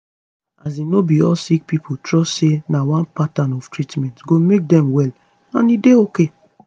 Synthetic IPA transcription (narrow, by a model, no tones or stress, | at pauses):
azinobiɔsik̚pipʰotɹɔssenawãnpatãnɔftɹitmɛ̃ntɡomek̚dɛ̃mwɛl | ã̰nideoke